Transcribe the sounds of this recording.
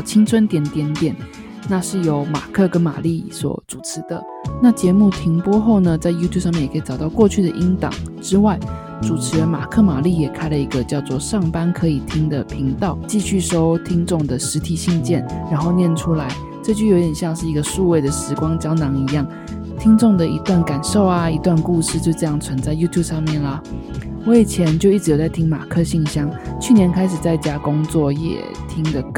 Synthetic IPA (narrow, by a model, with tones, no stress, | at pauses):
t͡ɕʰi˥ŋt͡sʰwə˥nt̪jɛ˨˩nt̪jɛ˨˥nt̪jɛ˨˩˦n | na˥˧ʂɻ̩˥˩jo˧˥ʊma̰˨˩kʰɤ˥˩kə˦˥nma̰˨˩li˥˩swɔ̰˨˩˦ʈ͡ʂu˨˩ʈ͡ʂʰɻ̩˧˦d̪ə˧ | na˥˩t͡ɕjɛ˧˥mu˥˩t̪ʰi˧˥ŋpwɔ˥xo˥˩ʊnə˩t͡sa˥˩ɪju˥t̪ʰju˥p̚ʂ̬mjɛ˥˩jkʰi˨ʈ͡ʂɑ˨˩ʊt̪ɑ˥˧ʊkwɔ˥˧t͡ɕʰy˥˩d̪ə˨ʔi˥ŋt̪ɑ̰˨˩˦ŋʈ͡ʂɻ̩˥wa˥˩ɪ | ʈ͡ʂu˨˩ʈ͡ʂʰɻ̩˧˥˧ma̰˨˩kʰɤ˥˩ma˨˩li˥˩jɛ˨˩kʰa˥ɪlə˨i˧˥ɡə˧t͡ɕjɑ˥˧ʊt͡swɔ˥˧ʂɑ˥˩ŋpa˥nkʰɤ˧˥i˨˩t̪ʰi˥ŋd̪ə˨pʰi˧˥ŋt̪ɑ˥˩ʊt͡ɕi˥˧ɕy˥˩ʂo˥ʊt̪ʰi˥ŋʈ͡ʂʊ˥˩ŋd̪ə˩ʂɻ̩˧˥t̪ʰi˨˩ɕi˥˧ŋt͡ɕjɛ˥˩nɻa˧˥nxo˥˧ʊnjɛ˥˩nʈ͡ʂʰu˥la˧˥ɪ | ʈ͡ʂɤ˥˧t͡ɕjjo˧˥ʊt̪jɛ˨˩ɕjɑ˥˧ŋʂɻ̩˥˩i˧˥ɡə˧ʂu˥˧we˥˩ɪd̪ə˩ʂɻ̩˧˥kwɑ˥ŋt͡ɕjɑ˥ʊnɑ˧˥ŋi˧˥jɑ˥˩ŋ | t̪ʰi˥ŋt͡sʊ˥˩ŋd̪ə˩i˧˥t̪wa˥˩nka˨˩nʂo˥˩ʊa˨i˧˥t̪wa˥˧nku˥˧ʂɻ̩˥˧t͡ɕjo˥˧ʊʈ͡ʂɤ˥˧jɑ˥˩ŋt͡sʰwə˧˥nt͡sa˥˩ɪju˥t̪ʰju˥˩bʂɑ˥˧ŋmjɛ˥˩nlə˩ | wɔ˧˥i˨˩t͡ɕʰjɛ˧˥nt͡ɕjo˥˧ʊi˥˩ʈ͡ʂ̩ɻ̩˧˥jo˧˩t͡sa˥˩ɪi˥ŋma̰˨˩kʰɤ˥˧ɕi˥˩ŋɕjɑ˥ŋt͡ɕʰy˥˩njɛ˧˥nkʰa˥ɪʂɻ̩˨˩t͡sa˥˩ɪt͡ɕja˥kʊ˥ŋt͡swɔ˥˩jɛ̰˨˩t̪ʰi˥ŋd̪ə˨